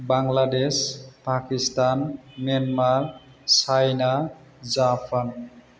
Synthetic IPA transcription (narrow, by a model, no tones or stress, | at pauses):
baŋladespakistanmanmaɹ | sajna | zapʰan